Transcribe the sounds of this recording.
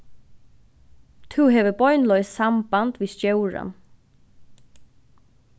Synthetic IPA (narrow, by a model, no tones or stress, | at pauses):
t̪ʰuɦɛːʋəbɔʏnlɔʏssambant̪ʋiːst̪jœwɹa̰n